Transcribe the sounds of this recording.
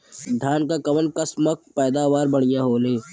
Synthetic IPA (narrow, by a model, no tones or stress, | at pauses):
d̪ʱjaːnkakɐʋənkəsmək̚pɛːd̪aːʋaːɾbɐɽ̃ɪjãːɦoːleː